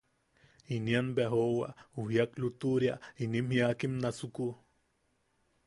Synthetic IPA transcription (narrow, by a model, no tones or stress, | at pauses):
inianbeɦowa̰uɦjaklut̪uɾja̰inimhjakimnasuku